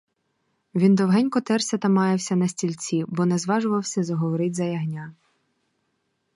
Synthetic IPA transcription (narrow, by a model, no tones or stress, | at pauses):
ʋʲind̪ɔwɦɛnʲkɔt̪ɛrsʲɐt̪ɐmɑjewsʲɐnɐsʲtʲilʲt͡sʲibɔnɛzʋɑʒʊʋɐwsʲɐzɐɦɔʋɔɾɪtʲzɐjɐɦnʲa